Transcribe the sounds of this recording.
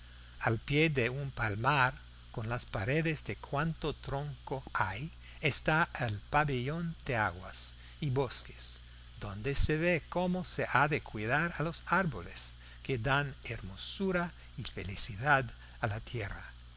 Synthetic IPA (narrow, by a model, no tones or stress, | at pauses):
alpjeðeumpalmaɾ | konlaspaɾeðezd̪ekʰwant̪ot̪ɾõŋkoaj | est̪aelpaβeʎond̪̥eaɣwa̰s | iβoske̥s | d̪õnd̪eseβekomoseʔaðekwiðaɾalosaɾbo̰les | keðaneɾmosuɾa | ifḛlisiðað | alat̪jera̰